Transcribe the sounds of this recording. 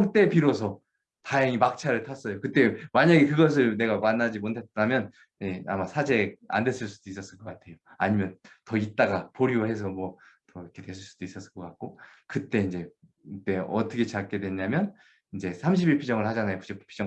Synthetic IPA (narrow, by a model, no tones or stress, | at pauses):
ŋt͈e̞piɾos̬ʰʌ | tajʌŋimak̚t͡ɕʰaɾɯɭtʰas͈ʌjokɯt͈e̞maɲaɡikɯɡʌs̬ʰɯɭne̞ɡamanːad͡ʑimotʰet̚t͈amjʌn | jea̰masʰad͡ʑe̞a̰ndwes͈ɯɭs͈ud̥ois͈ʌs͈ɯɭk͈ʌk͈atʰe̞joaɲimjʌntʌit̚t͈aɡapoɾioɦe̞s̬ʰʌmwʌ | tʌkʰe̞twe̞s̬ʰɯɭs͈ud̥ois͈ʌs͈ɯk͈ʌk͈ak̚k͈okɯt͈e̞ind͡ʑe̞ | t͈e̞ʌtʰʌkʰet͡ɕak͈e̞dwe̞ɲamjʌn | ind͡ʑe̞sʰamɕ̬ʰibiɭpʰid͡ʑʌŋɯɭhad͡ʑanajopud͡ʑepʰpʰid͡ʑʌ